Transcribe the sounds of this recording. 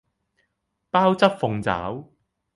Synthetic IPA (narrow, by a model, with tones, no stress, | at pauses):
paː˥wt͡sɐ˥t̚fʊ˨˧ŋt͡sa̰ː˨˥w